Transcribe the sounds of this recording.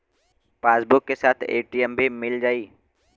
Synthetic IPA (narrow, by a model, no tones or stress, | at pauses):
paːsbʊkːesaːt̪ʰḛːʈiəmbʱimɪld͡ʒaːiː